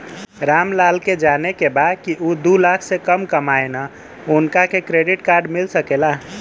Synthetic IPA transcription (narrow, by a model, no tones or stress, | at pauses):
ɾamlalked͡ʒanekebaːd̪̚kiʔud̪ulakʰsekəmkəmaena | ʊnkakekɾeɖiʈkaɾɖmilsəkela